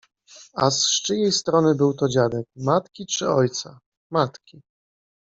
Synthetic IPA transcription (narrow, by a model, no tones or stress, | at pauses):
asʂt͡ʂɘjejst̪ɾɔnɘbɘwt̪ɔd͡ʑad̪ɛk̚mat̪kʲit͡ʂɘɔjt̪sa | mat̪kʲi